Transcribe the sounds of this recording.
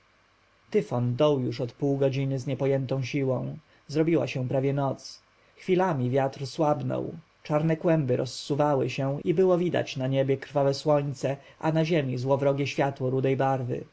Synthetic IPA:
t̪ɘfɔnd̪ɔwjuʂɔt̪puwɡɔd͡ʑinɘzɲɛpɔjɛnt̪ɔ̃w̃ɕiwɔ̃w̃ | zɾɔbʲiwa̰ɕɛ̃pɾavʲjɛnɔt̪s | xfʲilamʲivʲjat̪ɾswabnɔ̰w | t͡ʂaɾnɛkwɛmbɘɾʔɔsːuvawɘ̰ɕɛ̃ibɘwɔvʲid̪a̰t͡ɕnaɲebʲjɛkɾ̥favɛswɔɲt̪sɛ | ʔanaʑemʲizwɔvɾɔɡʲjɛɕfʲjat̪wɔɾud̪ɛjbaɾvɘ̰

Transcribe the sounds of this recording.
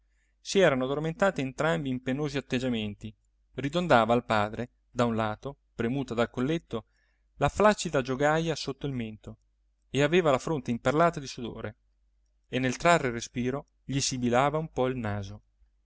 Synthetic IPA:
siɛːɾanoad̪orment̪aːt̪eːnt̪ɾambiːmpenoːziat̪ːed͡ʒament̪i | rid̪ond̪aːvaːlpaːd̪ɾe | d̪aunlaːt̪o | pɾemuːt̪ad̪alkolːet̪ːo | laflat͡ʃːid̪ad͡ʒoɡajasot̪ːoilment̪o | eaveːvalafɾont̪eimperlaːt̪ad̪isud̪o̰ːɾe | enːelt̪ɾarːerespiːɾo | ʎisibilaːvaumpɔilnaːzo

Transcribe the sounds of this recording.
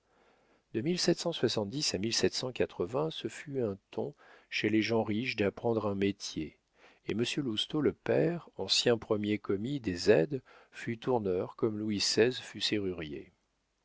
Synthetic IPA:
d̪əmilsɛt̪sɑ̃swasɑ̃t̪̚d̪isamilsɛt̪sɑ̃kat̪χəvɛ̃səfyɛ̃t̪ɔ̰̃ʃeleʒɑ̃ʁiʃd̪apχɑ̃d̪ʁɛ̃met̪jḛ | eməsjølust̪oləpɛʁɑ̃sjɛ̃pχəmjekɔmid̪ezɛd̪fyt̪uʁnœʁkɔmluwisɛzfyseʁyʁjḛ

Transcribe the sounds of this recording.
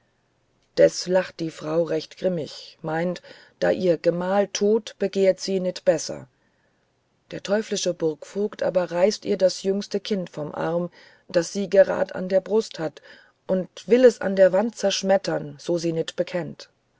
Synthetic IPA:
d̥ɛslaχt̚d̥iːfʁ̥aʊʁɛçtɡ̥ʁɪmɪ̰çmaɪnt | d̥a̰ːʔiːɐɡəmaːltʰoːtb̥əɡeːɐtz̥iːnɪtb̥ɛsɐ̰ | d̥eːɐtʰɔʏflɪʃəbʊɐkfoːktʔa̰ːbɐʁaɪstḭːɐdasjʏŋstəkʰɪntfɔmʔa̰ʁm | d̥asz̥iːɡəʁa̰ːdəʔa̰ndeːɐbʁʊsthat | ʔʊntv̥ɪlɛsa̰ndeːɐvant̚t͡sɛɐʃmɛtʰɐnz̥oːziːnɪtb̥əkʰɛnt

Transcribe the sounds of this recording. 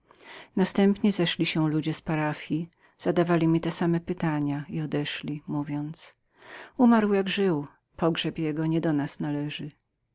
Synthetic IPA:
nast̪ɛmpɲɛzɛʂlʲiɕɛlud͡ʑɛspaɾafʲji | z̥ad̪avalʲimʲit̪ɛsamɛpɘt̪aɲaiɔd̪ɛʂlʲimuvʲjɔnt̪s | umaɾwjaɡʐɘw | pʰɔɡʐɛpjɛɡɔɲɛd̪ɔnasnalɛʐɘ

